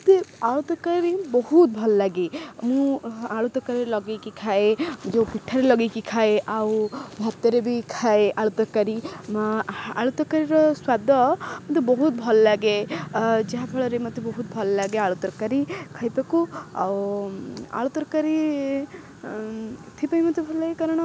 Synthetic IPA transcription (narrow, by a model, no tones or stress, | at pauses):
t̪eaɭut̪ɔɾkaɾiɾibɔɦut̪̚bʱɔlɔlaɡemũaɭut̪ɔkaɾilɔɡekikʰaed͡ʒewpiʈʰːaɾelɔɡekikʰaeʔawbʱat̪ːeɾebʱikʰaeʔaɭut̪ɔɾkaɾi | a̰ɭut̪ɔkaɾiɾɔswad̪ʱɔmɔt̪jebɔɦut̪̚bʱɔlɔlaɡed͡ʒaɦabʰʱɔɭɔɾemɔt̪ebɔɦut̪̚bʱɔlɔlaɡeaɭut̪ɔɾkaɾikʰajt̪ɔkua̰w | a̰ɭut̪ɔɾkaɾi | t̪ʰipajmɔt̪jubʱɔlɔlaɡekaɾɔɽ̃ɔ